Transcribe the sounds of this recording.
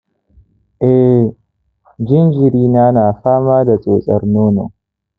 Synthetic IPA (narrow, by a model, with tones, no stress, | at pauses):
ʔɛ˦ | d͡ʒɪ˦nd͡ʒɪ˨ɾiː˦naː˦naː˨ɸaː˦maː˦da˨t͡sʼo̰ː˨sʼɐ̰˦rnoː˦no̰˨